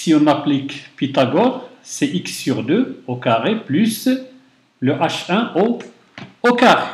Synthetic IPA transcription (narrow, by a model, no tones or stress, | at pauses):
siɔ̃naplikpit̪aɡɔʁsɛʔɪksːyʁd̪øːokaʁepʰlʉs | ləʔaʃœ̃ʔo | okaʁ